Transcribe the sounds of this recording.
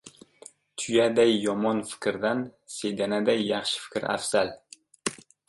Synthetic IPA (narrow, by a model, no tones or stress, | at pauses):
t̪ʰʊjad̪ajːɒmɒnfɪ̥kʲɾd̪an | se̞jd̪anad̪ajːɑχʃɪ̥fɪ̥kʲɾa̰fsal